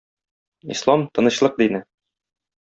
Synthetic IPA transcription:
ḭslˠɑmt̪ɤ̆nɤ̆ɕlˠɤq̚d̪inɘ

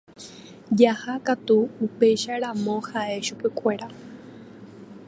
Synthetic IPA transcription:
d͡ʒahakat̪uːpe̞jʃaɾãmõ̞haʔe̞ʃupe̞kʷe̞ɾa

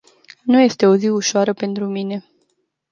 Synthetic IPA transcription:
nuje̞st̪e̞o̞ziuʃoaɾəpe̞nt̪ɾumine̞

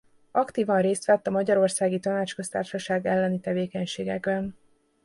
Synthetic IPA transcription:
ɒkt̪iːvɒnreːst̪ʋɛt̪ːɒmɒɟɒɾo̞rsaːɡit̪ɒnaːt͡ʃkøst̪a̰ːrʃɒʃaːɡɛlːɛnit̪ɛveːkɛɲʃeːɡɛɡbɛn

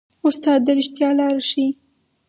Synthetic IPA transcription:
ʊst̪ɑd̪ːaɾɪʃt̪jɑlɑɾʃi

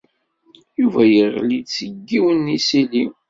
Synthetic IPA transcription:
juvæjəʁlit͡sːəɡːiwənisili

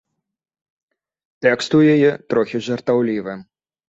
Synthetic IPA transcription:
t̪ɛkst̪ujajɛt̪ɾɔxʲiʐɐrt̪awlʲivɨ

